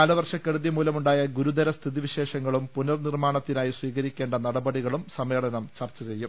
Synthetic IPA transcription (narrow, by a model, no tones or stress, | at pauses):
aːlɐʋɐrʂɐkːe̞ɽuðjɐmuːlɐmuɳɖaːjɐɡuɾud̪ɐɾɐst̪ʰiðiʋiɕe̞ːʂɐŋːɐɭumpunɐrnirmaːɳɐt̪ːinaːjisʋiːɣɐɾikʲːe̞ːɳɖɐnɐɽɐbɐɽiɣɐɭumsɐme̞ːɭɐnɐmt͡ɕɐrt͡ɕːɐt͡ɕe̞jːum